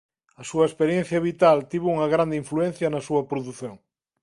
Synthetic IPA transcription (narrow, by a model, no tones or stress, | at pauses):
ɐsuɐespeɾjẽn̟θjɐβit̪alt̪iβouŋɐɣɾand̪eiɱfluɛn̟θjɐnɐsuɐpɾoðuθjoŋ